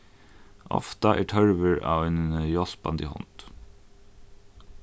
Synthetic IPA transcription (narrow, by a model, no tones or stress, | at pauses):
ʔɔ̰ft̪ɑʔæːʈʰœɹʋəɹɑ̰ːʋeːnjɔspɑ̰nd̪ḭhɔ̰nt̪